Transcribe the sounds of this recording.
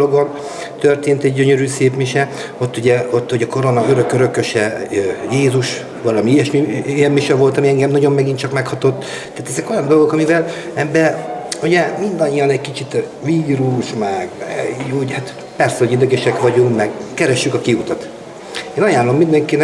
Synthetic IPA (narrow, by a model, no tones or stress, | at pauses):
loɡon | t̪ørt̪eːnt̪ɛɟɟø̞ɲø̞ɾyːseːpmiʃɛ | o̞t̪ːuɟɛot̪ːuɟɛko̞ɾonɒøɾø̞køɾø̞køʃɛjeːzuʃ | ʋɒlɒmiijɛʃmiijɛmmiʃɛvo̞lt̪ɒmiɛŋɡɛmnɒɟo̞mːɛɡint̪t͡ʃɒkmɛkhɒt̪o̞t̪ː | t̪ːaːt̪ɛzɛko̞jɒnd̪o̞lɡo̞kɒmivɛl | ɛbːɛuɟɛmind̪ɒɲːijɒnɛckit͡ʃit̪ʋiːɾuʃmɛɡuːɟhat̪ | pɛrsɛo̞ɟid̪ɛɡɛʃɛkʋɒɟuŋkmɛɡkɛɾɛʃːykɒkiut̪ɒt̪ | eːnɒjaːlo̞mːind̪ɛŋkin